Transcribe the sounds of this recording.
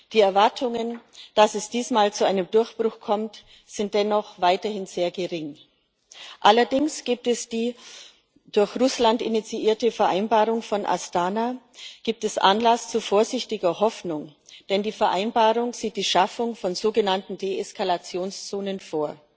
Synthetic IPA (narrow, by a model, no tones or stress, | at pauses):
d̥iːɛɐvaɐtʰʊŋənd̥asɛsd̥iːsmaːlt͡suʔaɪnəmdʊɐçb̥ʁʊxkʰɔmt | z̥ɪnt̚d̥ɛnɔχv̥aɪtɐhɪnz̥eːɐɡəʁɪŋ | ʔalɐdɪŋsɡ̥iːp̚tɛsd̥iː | d̥ʊɐçʁʊslantɪnit͡siʔiːɐtəfɛɐʔaɪnbaːʁʊŋfɔnʔa̰sd̥aːna | ɡ̥iːp̚tɛsʔa̰nlast͡sufoːɐzɪçtɪɡɐɦɔfnʊŋd̥ɛndiːfɛɐʔaɪnbaːʁʊŋz̥iːt̚d̥iːʃafʊŋfɔnzoːɡənantn̩deːɛskʰalat͡sjoːnst͡soːnənfoːɐ